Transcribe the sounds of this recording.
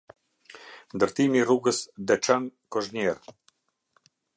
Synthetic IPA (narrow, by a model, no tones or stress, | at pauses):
nd̪əɾt̪imiruɡəsd̪ɛt͡ʃankɔʒnɛɾ